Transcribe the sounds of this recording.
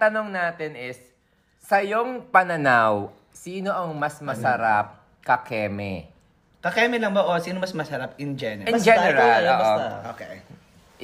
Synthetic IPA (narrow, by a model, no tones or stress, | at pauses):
t̪ɐno̞ŋnaːt̪ɪnɪsː | ɐjoŋpɐnɐnaw | siːno̞ʔɐŋmɐsmɐsɐɾap̚ | kɐkɛːmɛ̰ | kɐkɛːmɛlɐŋboʔosiːnomɐsmɐsɐɾap̚ɪnd͡ʒɛnɛɪnd͡ʒɛnɛɾaloːʔooke